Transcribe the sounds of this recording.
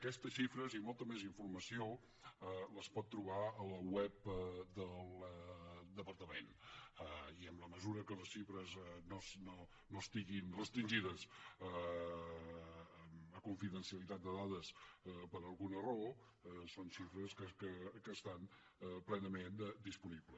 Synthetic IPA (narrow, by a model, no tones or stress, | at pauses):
əkɛst̪əsʃifɾəzimɔlˠt̪əmeziɱfurməsio | ələspɔt̪ːɾuβaələwɛp̚d̪əlˠəd̪əpəɾt̪əmenəiəmləməzuɾəkələsʃifɾəznosno | noəst̪iɣinrəst̪ɾinʲʒiðəsə | əkuɱfiðənsiəlit̪at̪̚d̪əðaðəspəɾəlˠɣunəro | sonʃifɾəskəkəkəːst̪an | plɛnəmend̪ispuniβlə